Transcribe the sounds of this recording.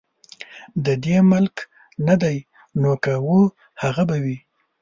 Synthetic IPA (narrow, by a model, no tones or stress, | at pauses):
d̪əd̪eməlk | nad̪aj | nokawu | haɣabawi